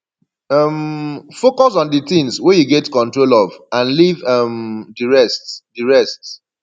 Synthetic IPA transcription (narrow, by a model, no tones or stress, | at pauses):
ʌmfokɔs̬ɔ̃nditĩŋswejuɡɛtkɔ̃ntɹolɔvãnlivʌmdiɹɛstdiɹɛst